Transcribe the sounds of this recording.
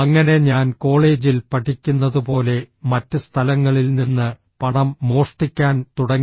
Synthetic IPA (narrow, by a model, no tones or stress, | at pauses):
ɐŋːɐne̞ɲaːnko̞ːɭe̞ːd͡ʑilpɐʈʰikʲːunːɐðupo̞ːle̞mɐtːɨst̪ʰɐlɐŋːɐɭilninːɨ | pɐɳɐmːo̞ːʂʈikʲːaːnt̪uɽɐŋː